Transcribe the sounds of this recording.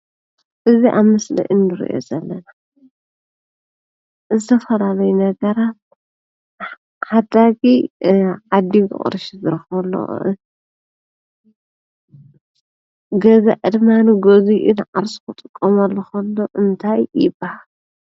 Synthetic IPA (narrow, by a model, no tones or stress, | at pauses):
ʔɨziʔaβmɨslḭʔɨnːɨɾḭʔo̞̰zɐlːɐna | zɨt̪ʰɐfɐlalɐjunɐɡɐɾat̪̚ | ħad̪aɡiʕad̪iɡɨ̰χʼɨ̰ɾɨʃizɨɾɨxβlːo̰ʔ | ɡɐzɐ̰ʔɨd̪manɡoziʔɨnʕaɾsu̥kɨt̪ʼɨkʼːɐmɐlːoxɐlːoʔɨnt̪ʰajːɪbːahal